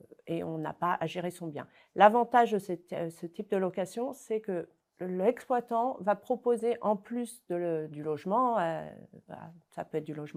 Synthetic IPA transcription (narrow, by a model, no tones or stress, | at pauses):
eɔ̰̃na̰paʔaʒeʁesɔ̃bjɛ̃ | lavɑ̃t̪aʒd̪əsɛtsət̪ip̚d̪əlɔkasjɔ̃sɛkə | lɛksplwat̪ɑ̃vapχɔpozeʔɑ̃plysd̪əd̪ylɔʒmɑ̃ə̰a̰sa̰pøɛt̪̚d̪ylɔʒmɑ̃